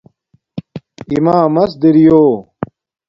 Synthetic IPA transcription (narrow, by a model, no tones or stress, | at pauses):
imaːmɐs̬d̪iɾijoː